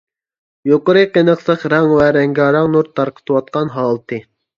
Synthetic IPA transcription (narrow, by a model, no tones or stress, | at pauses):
joqəɾɨqenəχsəχɾɑŋwæɾɛŋɡʲɑɾɑŋnuɾt̪ʰːɑɾqʰə̥t̪ʰɨwɑt̪̚qɑnɦɑːlˠɨt̪ʰɨ